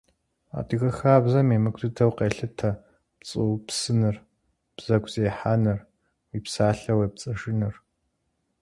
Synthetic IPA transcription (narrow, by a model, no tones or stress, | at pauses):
a̰ːdɨɣɐxaːbzɐmeːmɨkʷʰdɨtʰɐwqeːɬɨtʰɐ | pt͡sʼɨwpsɨnɨr | b̥z̥ɐkʷʰz̥eːħanɨr | wiːpsaːɬɐwep̚t͡sʼɐʂɨnɨr